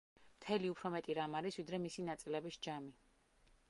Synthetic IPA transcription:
mt̪ʰɛliupʰɾɔmɛt̪ʼiɾamaɾisvid̪ɾɛmisinat̪sʼilɛbisd͡ʒami

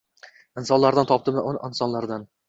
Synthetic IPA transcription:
ɪnsɒnlaɾd̪ant̪ʰɒp̚t̪ɪmɪnɪnsɒnlaɾd̪an

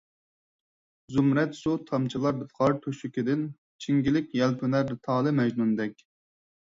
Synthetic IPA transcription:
zumɾɛt̪sut̪ʰɑmt͡ʃʰilˠɑɾbɨt̪qɑɾt̪ʰoʃikʲid̪ɪn | t͡ʃʰiŋɡʲilɪkʲjɛlpʰynæɾɨt̪ʰɑːlˠɨmɛʒnund̪ɛkʲ

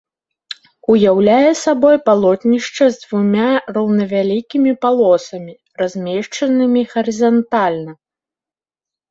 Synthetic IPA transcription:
ujawlʲajɛsabɔjpalˠɔt̪nʲiʂt͡ʂɐzd̪vumʲarɐwnɐvʲalʲikʲimʲipalˠɔsɐmʲi | razʲmʲɛʂt͡ʂɐnɨmʲiɣɐɾɨzant̪alʲnɐ

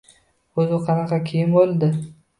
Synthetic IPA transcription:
ɵzɪqʰɑnɑqɑkʲʰejɪnbolˠd̪ɪ

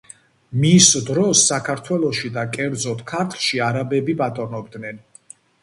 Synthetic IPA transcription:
misd̪ɾɔsːakʰaɾt̪ʰwɛlˠɔʃid̪akʼɛɾd̪zɔt̪ʰkʰaɾt̪ʰlˠʃiaɾabɛbibat̪ʼɔɾnɔb̚d̪nɛn

